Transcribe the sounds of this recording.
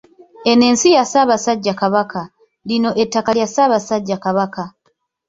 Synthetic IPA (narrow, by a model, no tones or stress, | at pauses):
e̞ne̞ːnsijasaːβasaɟːakaβaka | lino̞ʔetːakaljasaːβasaɟːakaβaka